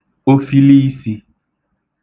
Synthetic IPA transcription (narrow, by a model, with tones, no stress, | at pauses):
o˦fi˦li˦si˨